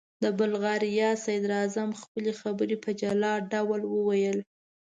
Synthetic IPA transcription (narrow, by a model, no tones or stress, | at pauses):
d̪əbʊlɣɑɾijɑsajd̪ɾazamxpəlexabəɾepəd͡ʒalɑɖawalwəwajəl